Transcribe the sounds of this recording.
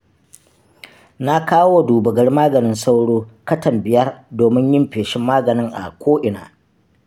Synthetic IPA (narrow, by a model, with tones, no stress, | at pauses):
na˦kaː˦wo˦wa˨duː˨bɐ˨ɡɐ˦rmaː˦ɡɐ˨nɪ˦nsa˦wɽoː˦kɐ˦tɐ˨mbɪ˨jɐ˦rdoː˨mɪ˦ɲjɪ˦mɸeː˨ʃɪ˦mːaː˦ɡɐ˨nɪ˦ŋʔa̰˨kʷoː˦ʔɪ˨na̰ː˨